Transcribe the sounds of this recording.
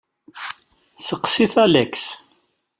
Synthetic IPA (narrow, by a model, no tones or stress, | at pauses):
səqːsiθælæks